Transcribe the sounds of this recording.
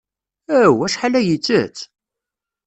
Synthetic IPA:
æwæʃħalæjit͡sːə̰t͡s

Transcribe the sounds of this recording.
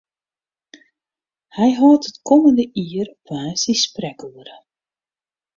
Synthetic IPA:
hɛjɦɔːtətkʰɔməndəʔiərɔpʋaːsisprɛkuəɾə

